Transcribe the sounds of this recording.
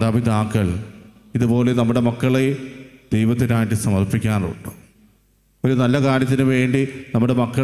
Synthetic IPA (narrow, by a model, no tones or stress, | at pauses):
d̪abʱid̪aːkːɐɭ | iðupo̞ːlenɐmːuɽe̞mɐkːɐɭed̪̥ejʋɐt̪̬ːinaːjʈːɨsɐmɐrpikʲːaːnṵɳɖu̥ | o̞ɾunɐlːɐkaːɾjɐt̪ːinuʋe̞ːɳɖinɐmːuɽe̞mɐkːɐ